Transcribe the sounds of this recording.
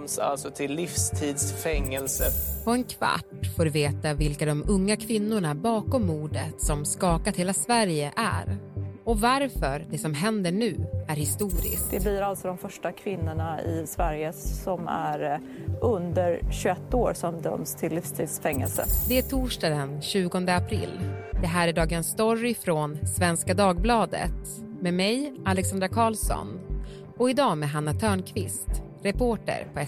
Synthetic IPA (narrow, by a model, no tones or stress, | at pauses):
msa̰lt̪sɔt̪ʰɪlːɪfst̪ʰiːd̪sfɛŋːɛlsəpʰɔɛnkʰva̰ʈːfoːɾɵveːt̪avɪlkad̪ɔmɵŋːakʰvɪnːʊɳabɑːkɔmːuːɖət̪sɔmskɑːkat̪heːlasvæɾjəʔæ̰ɾɔvaɾfœɾd̪ɛsɔmɦɛnd̪əɳʉ̟ːæɾhɪst̪uːɾɪ̰sd̪ɛbliːɾalt̪sɔd̪ɔmfœʂʈakʰvɪnːʊɳaɪ̰svæɾjəɔmæ̰ɾ | ʔɵnd̪əɾɕɵɛt̪ːoːɾsɔmd̪œ̰mst̪ʰɪlːɪfst̪ʰiːd̪sfɛŋːɛ̰lsə̰d̪ɛæʈʰuːʂʈɑːd̪ənɕʉ̟ːɡɔnd̪əapʰɾɪ̰lːd̪ɛɦæːɾæɖɑːɡənsːt̪ɔɾɪfɾonsvɛnskad̪ɑːɡ̚blɑːd̪ə̰t̪ | meːmɛjalɛksand̪ɾakʰɑːlsɔ̰n | ɔɪd̪ɑːmeɦanːat̪ʰœːɳkʰvɪst̪ | ɾɛpʰoːʈə̰ɾpʰɔɛ